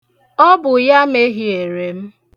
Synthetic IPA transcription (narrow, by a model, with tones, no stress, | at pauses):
ɔ˦bʊ˨ja˦me˦ɦi˦e˨ɾe˨m̩˦